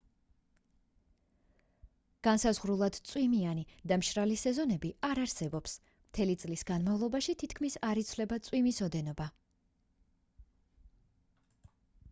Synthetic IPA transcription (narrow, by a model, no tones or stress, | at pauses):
ɡ̥ansazʁɾulˠad̪̥t̪sʼwimianid̪amʃɾalisɛzɔnɛbiaɾaɾsɛbɔps | mt̪ʰɛlit̪sʼlisɡanmavlˠɔbaʃit̪ʰit̪ʰkʰmisaɾit̪sʰlɛbat̪sʼwimisɔd̪ɛnɔba